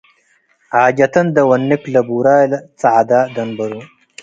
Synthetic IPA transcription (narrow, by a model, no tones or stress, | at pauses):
ʕaːd͡ʒɐt̪ɐnd̪ɐwɐnːɪklɐbuɾaːjlɐt͡saʕd̪aːd̪ɐnbɐɾu